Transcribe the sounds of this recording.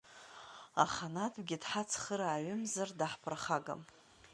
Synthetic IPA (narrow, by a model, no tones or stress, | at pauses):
a̰χanatʰɡʲɪdħat͡sʰχəɾaːɥʏmzardaħpʰɨrχaɡa̰m